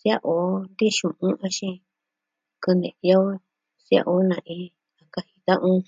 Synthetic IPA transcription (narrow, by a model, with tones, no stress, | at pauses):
sja˦ʔo˨˦nd̪i˦ʃũ˨ʔũ˦ʔã˦˧ʃĩ˧ | kɨ˧nd̪ḛ̃˨ja˦ | sa̰˦ʔo˦nã˧ʔĩ˧˦ | a˨ka˧hi˧t̪ã˦ʔũ˦